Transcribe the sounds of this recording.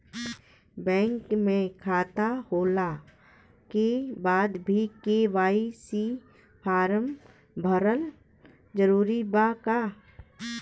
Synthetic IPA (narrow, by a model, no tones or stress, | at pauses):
bɛ̃ːŋkmẽkʰaːt̪ahoːla | kebaːd̪bʱikeʋaːisi | pʰaːɾəm | bʱəɾəl | d͡ʒəɾuːɾibaka